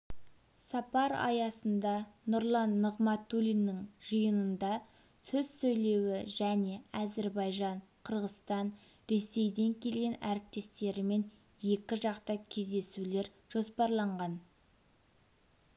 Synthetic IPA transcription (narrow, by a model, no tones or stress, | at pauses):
sɑpɑɾɑ̰jɑsənd̪ɑnʊɾlˠɑnːəʁmɑt̪ulʲinːɪŋʒ̥əjənənd̪ɑ | sɵz̥sɵjle̞wɪʒæne̞ɑze̞ɾbɑjʒɑɴqʰəɾʁəst̪ɑn | ɾe̞se̞jd̪e̞ŋkʲʰe̞lɡʲe̞næɾɪp̚t̪e̞st̪e̞ɾɪme̞n | je̞kʲɪʒɑqt̪ɑkʲʰe̞zd̪e̞sule̞ɾ | ʒ̥o̞spɑɾlˠɑɴʁɑn